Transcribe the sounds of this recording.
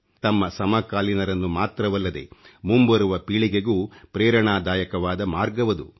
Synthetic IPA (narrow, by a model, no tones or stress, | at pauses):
t̪ɐmːɐsɐmɐkaːlinɐɾɐnːumaːt̪ɾɐʋɐlːɐd̪e̞̰mumbɐɾuʋɐpiːɭiɡeɡuːpɾɛːɾɐɳaːd̪aːjɐkɐʋaːd̪ɐmaːɾɡɐʋɐd̪ṵ